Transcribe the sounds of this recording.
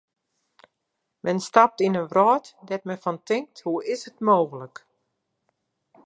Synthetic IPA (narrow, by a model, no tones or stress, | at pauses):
mʔɛnstap̚tinənrɔːtdɛt̚mɛfɔntɪŋk̚thuɪsətmoːɣələk